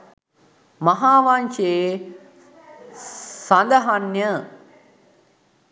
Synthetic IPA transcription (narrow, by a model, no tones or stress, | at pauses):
mɐɦaːʋanʃeː | sand̪əɦanjə